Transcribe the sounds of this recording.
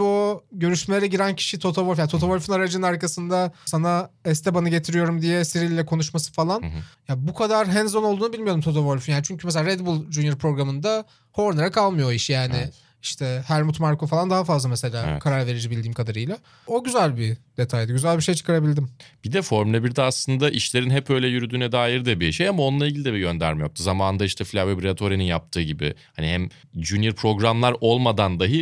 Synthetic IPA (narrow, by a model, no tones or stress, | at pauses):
oɟø̞ɾyʃmelʲeɾɛɟiɾæncʰi̥ʃit̪ʰo̞t̪ʰoboɾfjant̪ʰo̞t̪ʰomoɾʲfɯnaɾad͡ʒɯnɯnaɾkasɯnd̪asanaɛst̪ʰɛbanaɟet̪ʰiɾijo̞ɾumd̪ijɛsiɾilʲːɛkʰo̞nuʃmasɯ̥falˠanjabukʰad̪aɾɦɛnzono̞lˠd̪uːnubilʲmijo̞ɾumt̪ʰo̞t̪ʰomoɾfynjaːnit͡ʃʰyɲcʰymes̬elʲaːɾɛd̪bulˠd͡ʒuniɾpʰɾo̞ɡɾamɯnd̪a | ho̞ɾnaɾakʰalˠmɯjoiʃjaːnɪ | iʃt̪ʰɛhæɾmut̪maɾkofalˠand̪aɦafazlˠamese̞lʲaːkʰaɾaɾve̞ɾid͡ʒibilʲd̪iːmkʰad̪aɾɯjlˠa | o̞ɟyzælʲbid̪̥e̞t̪ʰajd̪aɟyzælʲbiʃejt͡ʃʰɯ̥kaɾabilʲd̪imb̥id̪ɛfo̞ɾmlʲebiɾd̪ɛaslˠɯnd̪aʔiʃlʲe̞ɾinɦɛpø̞jlʲɛjyɾyd̪yːnɛd̪aːjiɾd̪ɛbiʃejamao̞nlˠaiɟilʲid̪ɛbiɟø̞nd̪æ̰ɾmijop̚t̪ʰuzamaːnɯnd̪aiʃt̪ʰɛflʲavebɾat̪ʰo̞ɾininjap̚t̪ʰɯːɟibɪ̰hanihæm | d͡ʒynjiɾpʰɾo̞ɡɾamlˠaɾo̞lˠmad̪and̪aɦɯ